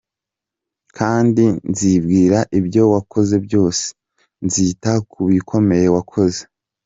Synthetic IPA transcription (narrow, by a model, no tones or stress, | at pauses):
kʰaːndinzib̚ɡiːɾaʔibjo̞wako̞ze̞bjo̞ːse̥ | nzitakʰuβikʰo̞me̞je̞wakʰo̞ze